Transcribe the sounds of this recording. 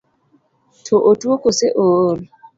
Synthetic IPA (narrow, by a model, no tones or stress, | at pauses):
tʰoʔotwokoseʔol